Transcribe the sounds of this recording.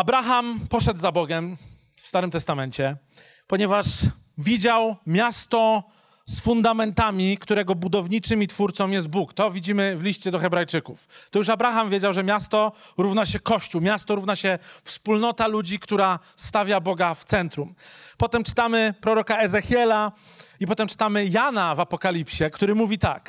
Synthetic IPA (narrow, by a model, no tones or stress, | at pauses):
abɾaxampɔʂɛd̪zabɔɡɛm | fst̪aɾɘmt̪ɛst̪amɛɲt͡ɕɛ | pɔɲɛvaʂ | vʲid͡ʑawmʲjast̪ɔ | sfund̪amɛnt̪amʲikt̪uɾɛɡɔbud̪ɔvɲit͡ʂɘmʲit̪fuɾt̪sɔ̃mjɛst̪̚bukt̪ɔvʲid͡ʑimɘvlʲiɕt͡ɕɛd̪ɔxɛbɾajt͡ʂɘkuft̪ɔjuʂabɾaxamvʲjed͡ʑawʐɛmʲjast̪ɔɾuvnaɕɛkɔɕt͡ɕuwmʲjast̪ɔɾuvnaɕɛfspulnɔt̪alud͡ʑikt̪uɾast̪avʲjabɔɡaft̪sɛnt̪ɾumpɔt̪ɛmt͡ʂɘ̥t̪amɘpɾɔɾɔkaɛzɛxʲjɛla | ipɔt̪ɛmt͡ʂɘ̥t̪amɘjanavapɔkalʲipɕɛkt̪uɾɘmuvʲit̪a̰k